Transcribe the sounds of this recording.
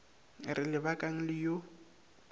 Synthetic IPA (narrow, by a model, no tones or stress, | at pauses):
rɪlɪbakʼaŋ̩lɪjo